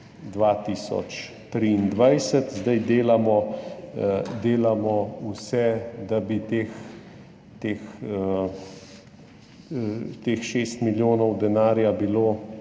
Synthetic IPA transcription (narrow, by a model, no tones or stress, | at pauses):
d̪ʋaːt̪iːsɔ̰t͡ʃ | t̪ɾind̪ʋajsət̪zd̪ajd̪eːlamɔ | d̪eːlamɔusɛd̪abit̪eːx | t̪eːxə | t̪eːxʃeːst̪miljoːnɔwd̪ɛnaːɾjabiloː